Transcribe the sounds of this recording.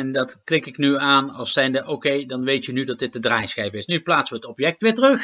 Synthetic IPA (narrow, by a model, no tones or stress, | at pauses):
ɛndɑtklɪkɪknyaːnɑlˠsɛjndəʔokejdɑnʋejtjənydɑt̚dɪt̚dədraːjsxɛjvəɪsnyplaːtsʋəətɔpjɛk̚tʋɪːɹtərɵx